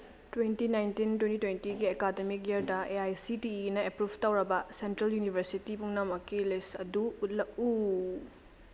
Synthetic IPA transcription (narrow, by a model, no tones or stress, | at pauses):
twentinajntintwentitwentiɡiekademik̚jeɾdɐeajsitiːnɐepɾubʱtawɾɐbɐsentɾɐljunibʱɐɾsitibuŋnɐmɐkːilesɐ̰duut̚lɐk̚u